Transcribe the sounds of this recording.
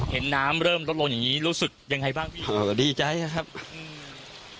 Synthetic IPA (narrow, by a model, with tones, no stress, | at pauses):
he˩˦nːaː˦˥mɾɤː˥˩mlo˦˥t̪̚o˧ŋja˨˩ŋiː˦˥ɾuː˦˥sɯ˨˩k̚ja˧ŋa˧jbaː˥˩ŋpʰiː˦˥˩ʔo˧˩diː˧˩t͡ɕa˧˩ja˦˥˩kʰa˦˥p̚ʔɯː˧m